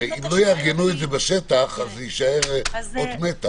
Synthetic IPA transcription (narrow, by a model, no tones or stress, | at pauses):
imlo̞jaːʁɡenuetdzebaʃet̪aχazjiʃaeʁod̪met̪a